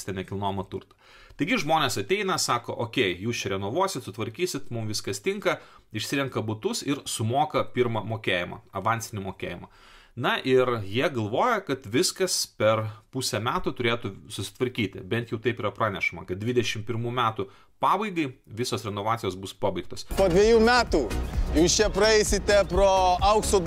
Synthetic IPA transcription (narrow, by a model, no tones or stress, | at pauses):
t̪ʲɛnʲɛkʲɪlˠnoːmɐt̪ʊrt̪ɐ | t̪ɐɪɡʲɪʒmoːnʲeːsɐt̪ʲɛɪnɐsɑːkoːʔoːkʲɛɪjuːst͡ʃʲɛɾʲɛnoːʋuɔsʲɪt̪sʊt̪ʋɐɾʲkʲiːsʲɪt̪mʊmʋʲɪskɐst̪ʲɪŋkɐɪʃʲsʲɪɾʲɛŋkɐbʊt̪ʊsɪɾsʊmoːkɐpʲɪɾmɐmoːkʲeːjɪmɐ̰ɐʋɐnʲsʲɪnʲɪmoːkʲeːjɪmɐ | nɐʔɪɾjiɛɡɐlˠʋoːjɛkɐt̪ʋʲɪskɐspʲɛrpusʲɛmʲæːt̪ʊt̪ʊɾʲeːt̪ʊsʊsʲɪ̥t̪ʋɐɾʲkʲiːt̪ʲɪ̰bʲɛnt̪jɛʊt̪ɐɪpiːɾɐpɾɑːnʲɛʃɐmɐ̰kɐt̪̚d̪ʲʋʲɪd̪ʲɛʃʲɪmpʲɪɾmuːmʲæːt̪ʊ | pɑːbɐɪɡɐɪʋʲɪsoːsɾʲɛnoːʋɑːt̪sʲɪjoːsbʊspɑbɐɪk̚t̪oːspoːd̪ʲʋʲiɛjuːmʲæːt̪uːjuːst͡ʃʲɛpɾɐɛɪsʲɪt̪ʲɛpɾoːɐʊksoː